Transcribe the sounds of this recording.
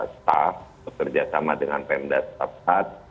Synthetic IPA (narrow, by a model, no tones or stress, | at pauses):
st̪afbəkərd͡ʒasamadəŋanpɛmdast̪afat̪̚